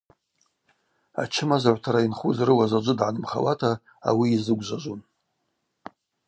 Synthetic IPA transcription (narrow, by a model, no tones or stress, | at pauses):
a̰t͡ʃʰɪmazaʕʷtʰaɾainχuzrɨwazad͡ʒʷʊdʕanɨmχa̰watʰa | a̰wiːzɨɡʷʒʷaʒʷun